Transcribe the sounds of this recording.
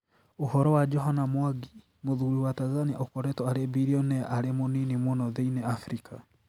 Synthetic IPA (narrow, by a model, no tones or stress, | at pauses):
ohɔɾɔwad͡ʒɔɦanamwaɡi | moðuɾiwatanzania̰okɔɾɛtɔaɾebiɾiɔnɛaɾemoninimwonɔðeinɛafɾika